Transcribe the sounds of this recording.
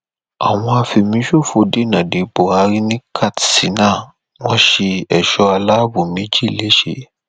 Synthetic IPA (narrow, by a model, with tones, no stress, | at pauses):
a̰˨w̃ɔ̃˧a˧fi˧mĩ˨˦ʃu˦˨fo˧de˨˦nã˨de˨k͡po˨a˧ɾi˦nĩ˦kʰa˦˨tsi˨˦nã˦˨ | w̃ɔ̃˦ʃe˧ɛ˨ʃɔ˧a˧la˦bu˨mĩ˨˦d͡ʒi˦˨le˨˦ʃḛ˦˨